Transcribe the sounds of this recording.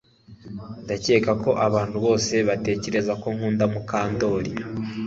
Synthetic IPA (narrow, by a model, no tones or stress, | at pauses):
ndace̞ːkako̞ʔaβaːnhuβo̞ːse̞βate̞ːce̞ɾe̞zako̞ŋhuːndamukaːndo̞ːɾi